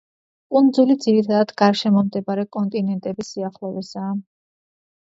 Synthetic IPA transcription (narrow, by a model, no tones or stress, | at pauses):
kʼund̪zulid̪ziɾit̪ʰad̪ad̪ɡaɾʃɛmɔmd̪ɛbaɾɛkʼɔnt̪ʼinɛnt̪ʼɛbisiaχlˠɔvɛsaː